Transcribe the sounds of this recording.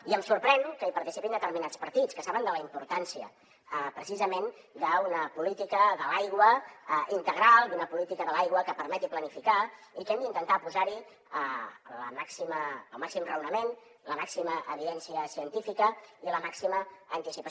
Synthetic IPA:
iəmsuɾpɾɛnkəipəɾt̪isi̥pind̪ət̪əɾminat͡spəɾt̪it͡skəsaβənd̪ələimpuɾt̪ansiə̰ | əpɾəsizəmen | d̪əunəpulit̪ikəðəlajɣwəʔint̪əɣ̞ɾalˠd̪unəpulit̪ikəðəlajɣwəkəpəɾmɛt̪iplənifikaikɛmd̪int̪ənt̪apuzaɾi | ələ̰maksiməəlˠmaksimrəwnəmen | ləmaksiməʔəðiɛnsiəsiənt̪ifikəiləmaksiməːnt̪isipə

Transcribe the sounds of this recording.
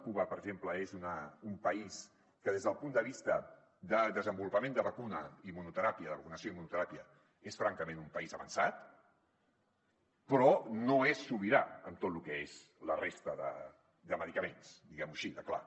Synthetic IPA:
kuβəpəɾəɡʒempləezunəumpəis | kəðezðəlˠpund̪əβist̪ə | d̪əd̪əzəmbulupəmend̪əβəkunəimunut̪əɾapiəðəβəkunəsjoimunut̪əɾapiə | esfɾaŋkəmenumpəizəβə̰nsat̪ | pɾɔnoesːuβiɾaəmt̪ot̪lukɛez̥ | lərest̪əðə̰ | d̪əməðikəmensd̪iɣɛmuʃiðəkla̰

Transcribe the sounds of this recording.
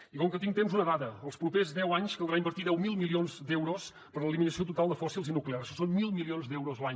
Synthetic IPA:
ikɔŋkət̪iŋɡ̚t̪emzunəðaðəəlˠspɾupezðɛwaɲskəlˠd̪ɾaimbəɾt̪iðɛwmilˠmilionzd̪ɛwɾos | pəɾləliminəsiot̪ut̪alˠd̪əfɔsilˠzinukleaɾʃɔsonmilˠmilionzd̪ɛwɾozlˠaɲ

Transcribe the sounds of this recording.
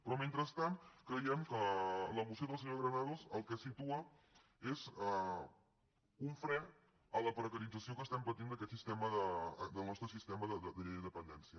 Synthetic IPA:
pɾɔment̪ɾəst̪ant̪kɾəiɛmkələmusioðəlˠsəɲoɣɾənaðozəlˠkɛsit̪uə | ezɛ | uɱfɾɛ | ələpɾəkəɾid͡zəsiokəst̪ɛmpət̪ind̪əkɛt̪sist̪ɛməðəd̪əlˠnɔst̪ɾəsist̪ɛməðəðəd̪əʎejind̪əpənd̪ɛnsiə

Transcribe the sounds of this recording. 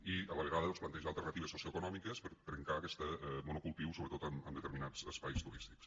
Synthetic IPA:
iəβələɾaðəðɔnsplənt̪ɛʒaːlˠt̪ərnət̪iβəsosioəkunɔmikəspəɾt̪ɾəŋkaːkɛst̪əmunukulˠt̪iwsoβɾət̪ot̪əmə̰nd̪ət̪əɾminad͡z̥əspajst̪uɾist̪i̥ks

